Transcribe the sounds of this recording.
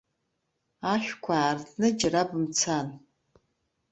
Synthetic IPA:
aʃʷᶣkʷʰaːrdnɨd͡ʒɪrabɨmt͡sʰan

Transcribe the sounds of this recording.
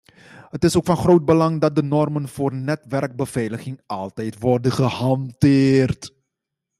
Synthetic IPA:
ɦətɪsowkfɑnχrowt̚bəlɑŋdɑt̚dənɔrmənv̥oːrnɛtʋɛrɡ̚bəv̥ɛjləχɪŋʔɑlˠtɛjtʋɔrdəχəhɑmtɪːrt

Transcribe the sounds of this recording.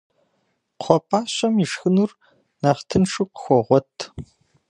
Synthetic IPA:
qʷʰɔpʼaːɕɐmiʂxɨnuːr | naːftʰɨnʂuqəxʷɔʁʷɔtʰ

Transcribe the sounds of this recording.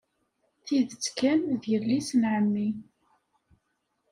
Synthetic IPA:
θiðət͡sːkænðjəllːisənʕəmːi

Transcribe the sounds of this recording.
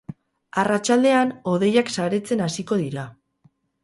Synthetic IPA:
arat͡ʃald̪e̞ano̞ð̞e̞jaksaɾe̞t͡se̞nasiko̞ð̞iɾa

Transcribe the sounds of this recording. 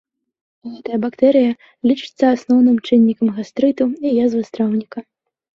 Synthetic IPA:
ɣɛt̪ɐjɐbakt̪ɛɾɨjɐ | lʲit͡ʂɨ̥t̪sːɐasnɔwnɨmt͡ʂɨnʲːikɐmɣast̪ɾɨt̪uijazvɨst̪ɾawnʲikɐ

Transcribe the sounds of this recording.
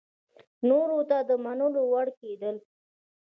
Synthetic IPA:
noɾot̪ad̪əmanəlowaɽked̪əl

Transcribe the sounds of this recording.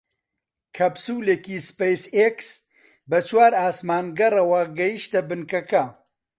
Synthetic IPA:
kʰɐbsuːleːkispejseks | bɐt͡ʃʰwaːɾaːsmaːnɡɐrɐwɐɡɐjiʃt̪ɐbɨnkɐkɐ

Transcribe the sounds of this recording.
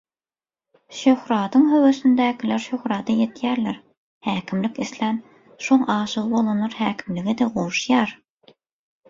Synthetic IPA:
ʃøhɾɑːd̪ɯŋɦøwøsynd̪æːkʰʲilæɾʃøhɾɑːd̪ɑjet̪ʰjæːɾlæɾ | hæːkʲʰimlikislæn | ʃoŋɑːʃɯʁɯbolˠunɑɾhæːkʲʰimliɡid̪eʁoʃjɑːɾ

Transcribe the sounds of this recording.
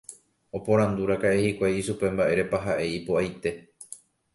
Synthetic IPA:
o̞põ̞ɾ̃ãnd̪uɾakaʔehikʷajiʃupe̞mbaʔe̞ɾe̞paɦaʔe̞ipoajt̪e̞

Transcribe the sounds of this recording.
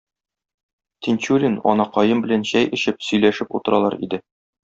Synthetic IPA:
t̪ʲinʲt͡ɕulʲinɒ̰nɑqɒjɤmbɘ̆lænɕæjʔɘ̆ɕɘp̚sɵ̆jlæʃɘput̪ɤ̆ɾʔɑlˠɑ̰ɾḭd̪ɘ

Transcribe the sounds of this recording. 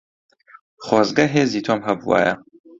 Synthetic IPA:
χwɔːzɡɐɦeːziːt̪ʰoːmɦɐbṵwa̰ːjɐ̰

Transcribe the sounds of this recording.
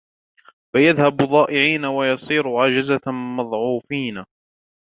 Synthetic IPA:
bajaðhabðˤɑːʔɪʕiːnawajɑsˤiːɾʊʕad͡ʒazamɑðˤʕuːfiːna

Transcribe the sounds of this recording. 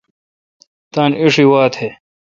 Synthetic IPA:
t̪aːniʂiwaːt̪he

